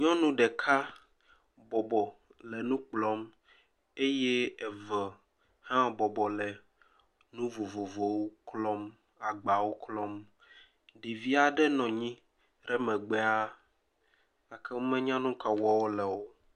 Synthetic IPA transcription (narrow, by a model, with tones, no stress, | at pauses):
ɲɔ̃˦nũ˦ɖɛ˨kʰa˦ | bɔ˨bɔ˨ | lɛ˨nũ˦k͡plɔ˦m | e˦jɛ˦ɛ˨və˨ | hã˦bɔ˨bɔ˨lɛ˨ | nũ˦vo˨vo˨vo˨wo˦klɔ˦m | a˨ɡ͡ba˨wo˦klɔ˦m | ɖi˨vi˦a˨ɖɛ˦nɔ̃˨ɲĩ˦ | ɾɛ˦mɛ̃˨ɡ͡bɛ˦a˦ | a˨kʰɛ˦wo˦mɛ̃˦ɲã˦nũ˦ka˨wɔ˦wo˦lɛ˨wo˦